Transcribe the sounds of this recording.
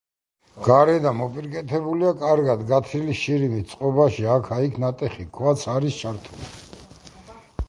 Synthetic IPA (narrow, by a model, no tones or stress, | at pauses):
ɡ̥aɾɛd̪amɔpʼiɾkʼɛt̪ʰɛbuliakʼaɾɡad̪ɡat̪ʰɾiliʃiɾimit̪sʼqʼɔbaʃiakʰaikʰnat̪ʼɛχikʰwat̪sʰaɾist͡ʃʰaɾt̪ʰulḭ